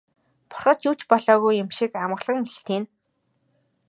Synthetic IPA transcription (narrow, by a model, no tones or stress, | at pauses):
pʊ̥rχɞ̆t̪juːt͡ɕpɔɮɔːɣujːʊmʃikamə̆ʁɮə̆ŋmiɬt̪iːn